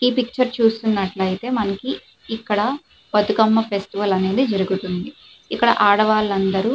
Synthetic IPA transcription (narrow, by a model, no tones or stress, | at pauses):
iːpik̚t͡ʃɐɾt͡ʃuːst̪unːɐʈlɐjit̪e̞ːmɐnɐkiː | kːɐɽɐ | pɐt̪ukɐmːɐpʰesʈiʋɐlɐne̞ːd̪id͡ʒɐɾuɡut̪und̪i | ikːɐɽɐ̰ʔaːɽɐʋaːlɐnd̪ɐɾu